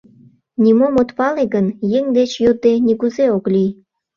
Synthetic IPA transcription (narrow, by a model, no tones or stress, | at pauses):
nʲimomot̪pɑleɡənjeŋd̪et͡ɕjod̪enʲikuzeoklij